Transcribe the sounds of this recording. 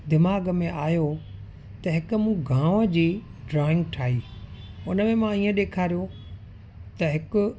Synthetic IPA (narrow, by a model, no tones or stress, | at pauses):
d̪ɪmaːɡmẽaːjo | t̪ɐɦɪkʊmũɡʱãːʋəd͡ʑiːɖɾɔːɪ̃ŋɡʈʰaːiːʊnəmẽmãiːə̃ɗeːkʰaːɾijo | t̪ɐɦɪkʊ